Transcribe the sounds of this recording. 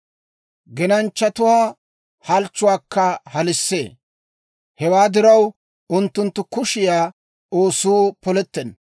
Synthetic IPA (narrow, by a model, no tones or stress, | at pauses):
ɡɛnɐnt͡ʃːɐt̪ʊwaː | hɐlt͡ʃːʊwaːkːɐhɐlɪsːḛː | hɛwaːd̪ɪɾɐw | ʊnt̪ːʊnt̪ːʊkʊʃɪjaː | oːsuːpɔlɛt̪ːɛn